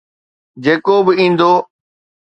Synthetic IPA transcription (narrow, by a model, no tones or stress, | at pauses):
d͡ʒeːkobɪĩːnd̪oː